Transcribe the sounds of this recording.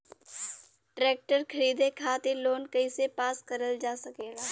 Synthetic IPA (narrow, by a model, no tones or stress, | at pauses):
ʈɾeːk̚ʈəɾkʰəɾiːd̪ekʰaːt̪eloːnkɐisepaːskəɾəld͡ʒaːsɐkeːɡaː